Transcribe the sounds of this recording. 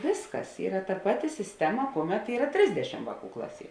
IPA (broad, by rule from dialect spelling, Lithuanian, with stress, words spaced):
ˈʋʲeːsˌkɐs ˈiːrɐ tɐ ˈpɑːˌtʲɪ sʲɪsʲˈtʲæːmɐ ˈkuɔˌmʲɛt ˈiːrɐ ˈtʲrʲɪzʲdʲɛʃʲɪm ˈʋɑːˌkuː ˈklˠɑːˌsʲiɛ